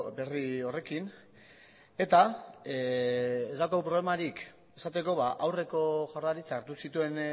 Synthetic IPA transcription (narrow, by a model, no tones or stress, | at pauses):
be̞rio̞re̞kin | e̞t̪a | ezd̪akopɾole̞maɾik | e̞sat̪e̞ko̞βaʔawre̞ko̞ʝawɾðaɾit͡saːɾt̪usit̪ue̞n